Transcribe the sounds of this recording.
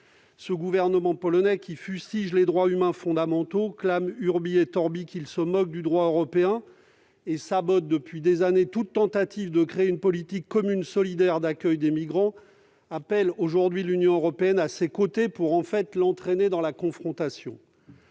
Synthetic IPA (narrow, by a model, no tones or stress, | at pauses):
səɡuvɛʁnəmɑ̃pɔlɔnɛkʲifyst̪iʒled̪ʁwaymɛ̃fɔ̃d̪amɑ̃t̪oklamyʁbiet̪ɔʁbikʲilsəmɔk̚d̪yd̪ʁwaøʁɔpeɛ̃ | esabɔt̪̚d̪əpɥid̪ezanet̪ut̪ːɑ̃t̪at̪ivd̪əkχeeynpɔlit̪ikːɔmynsɔlid̪ɛʁd̪akʲœjd̪emiɡʁɑ̃ | apɛloʒuʁd̪ɥilynjɔ̃øʁɔpeɛnasekot̪epuʁɑ̃fɛt̪lɑ̃t̪χened̪ɑ̃lakɔ̃fχɔ̃t̪asjɔ̰̃